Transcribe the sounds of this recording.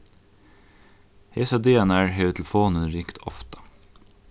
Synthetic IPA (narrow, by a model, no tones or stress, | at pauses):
heːsɑd̪eːɛnæɹɦeːʉt̪ʰɛlfoːnəɾiːkt̪ʰɔft̪ɑ̥